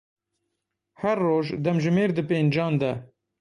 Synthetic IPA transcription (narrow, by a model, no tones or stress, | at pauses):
hɛɾːoːʒd̪ɛmʒɪmeːɾd̪ɨpeːnd͡ʒɑːnd̪ɛ